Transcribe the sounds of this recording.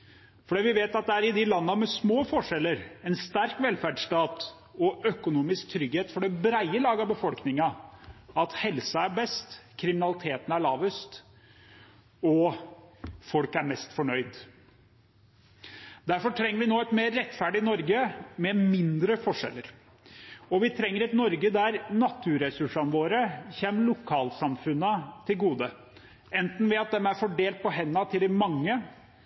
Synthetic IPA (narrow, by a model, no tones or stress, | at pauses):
fɔɖiːʋɪʋeːt̪ɑt̪̚d̪ɛæɾɪd̪ɪlɑnːəmɛsmoːfɔʂɛlːəɾɛnst̪æɾkʋɛlfæɖsʈɑːt̪ | ɔʔœkʊnuːmɪsk̚t̪ʰɾʏɡheːt̪fɔɖɛbɾæɪəlɑːɡɑbəfɔlknɪŋɑ | ɑt̪hɛlsɑæbɛst̪kʰɾɪmɪnɑlɪt̪ʰeːt̪ən̩æɭɑːʋəst̪ | ɔ | fɔlkæɾmɛst̪fɔɳœʏd̪ | d̪æɾfɔʈʰɾɛŋːəɾʋɪnoːɛt̪meːɾːɛt̪ːfæɖɪnɔɾɡəmɛmɪnd̪ɾəfɔʂɛ̰lːəɾ | ɔʋɪt̪ʰɾɛŋːəɾɛt̪nɔɾɡəd̪æɾnɑt̪ʰːʉːɾɛsʉʂɑnʋoːɾəçɛmːəlʊkʰɑːlsɑmfʉnːət̪ʰɪlɡuːd̪ə | ɛnt̪n̩ʋɪɑt̪̚d̪ɛmæɾfɔɖeːlt̪̚pɔɦɛnːɑt̪ʰɪld̪ɪmɑŋːə